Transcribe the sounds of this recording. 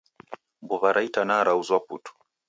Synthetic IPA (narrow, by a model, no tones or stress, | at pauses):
mbɔβaɾʔaitanaɾauzwaputu̥